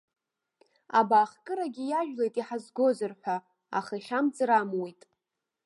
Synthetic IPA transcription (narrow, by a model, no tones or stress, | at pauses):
abaːχkʼɨɾaɡʲijaʒᶣlejtʼiħazɡo̞zɨrħʷᶣa | a̰χaiχʲamd͡zʼɾamwejtʼ